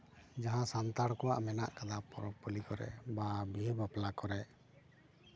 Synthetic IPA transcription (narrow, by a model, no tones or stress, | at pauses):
d͡ʒaɦãsant̪aɽkɔwaʔmɛna̰ʔkad̪apɔɾɔpɔlikɔɾɛ̰babiɦbaplakɔɾɛʔ